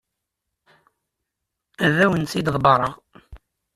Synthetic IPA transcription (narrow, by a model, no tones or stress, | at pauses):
ðæwənsid̪ðˤbɑɾˤɑʁ